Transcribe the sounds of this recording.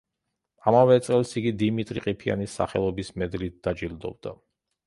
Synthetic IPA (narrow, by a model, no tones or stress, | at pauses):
amavɛt̪sʼɛlˠsiɡid̪imit̪ʼɾiqʼipʰia̰nisːa̰χɛ̰lˠɔbismɛd̪lit̪̚d̪̥ad͡ʒild̪ɔ̰bd̪a